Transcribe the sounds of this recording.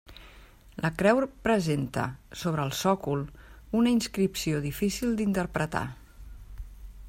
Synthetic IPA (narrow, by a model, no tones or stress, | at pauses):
lʔəkɾɛwɾpɾəzent̪ə̰soβ̞ɾəːlˠsɔkulˠunəinskɾipsioðifisilˠd̪int̪əɾpɾət̪a̰